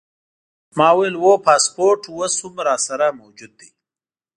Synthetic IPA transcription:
mɑːwelwopaːspoɾʈwəshumɾɑːsaɾamowd͡ʒud̪̚ːi

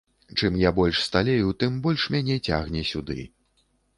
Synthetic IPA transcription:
t͡ʂɨmjabɔlʲʂst̪alʲejut̪ɨmbɔlʲʂmʲanʲɛt͡sʲa̰ɣnʲɛsʲud̪ɨ̰

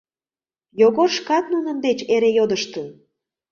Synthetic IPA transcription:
joɣorʃkɑt̪̚nunə̆nd̪et͡ɕeɾejod̪əʃt̪ən

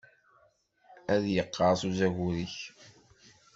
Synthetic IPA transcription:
æðjəqːɑɾˤsuzæɣuɾiç

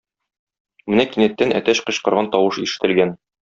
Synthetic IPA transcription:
mɘnækinæt̪ːænæ̰t̪æɕqɤ̆ɕqɤ̆ɾʁɑnt̪ɒwɤʃiʃɘ̆t̪ɘ̆lɡæn

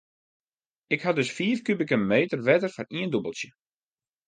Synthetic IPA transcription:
ɪkhadʏsfiːəfkybɪkəmeːtərʋɛtərfɔniəndubəlˠsjə

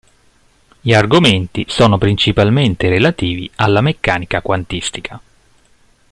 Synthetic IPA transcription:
ʎiarɡoment̪isɔːnopɾint͡ʃipalment̪eɾelat̪iːvḭalːamekːaːnikakwant̪ist̪ikʰa

